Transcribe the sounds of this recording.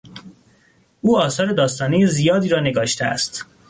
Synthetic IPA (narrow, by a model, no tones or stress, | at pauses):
ʔuːɒːsɒːɾe̞d̪ɒːst̪ɒːnejezijɒːd̪iːɾɒːne̞ɡɒːʃt̪ʰeæ̰st̪